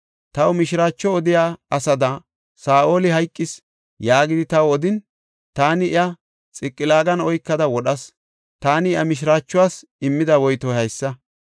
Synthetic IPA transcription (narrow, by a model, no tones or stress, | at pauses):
t̪ɐwmɪʃɪɾaːt͡ʃːɔɔd̪ɪjaːɐsɐd̪ɐ | saːʔo̞ːlɪɦɐjkʼːɪs | jaːɡɪd̪ɪt̪ɐwɔd̪ɪn | t̪aːnɪɪjɐ | t͡sʼɪkʼːɪlaːɡɐnɔjkːɐd̪ɐwɔɗɐs | t̪aːnɪɪjɐmɪʃ̬ɪɾaːt͡ʃːʊwaːs | ɪmːɪd̪ɐwɔjt̪ɔhɐjsːɐ